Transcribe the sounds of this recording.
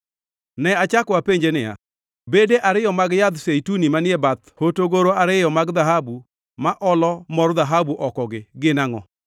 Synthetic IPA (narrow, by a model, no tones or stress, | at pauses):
nɛat͡ʃakwapeɲd͡ʒenɪja̰ | bedeʔaɾɪjɔmaɡjad̪sejtunimanɪɛbat̪hotoɡoɾoaɾɪjɔmaɡd̪aɦabu | maʔɔlɔmɔrd̪aɦabuʔɔkɔɡɪɡɪnaŋɔ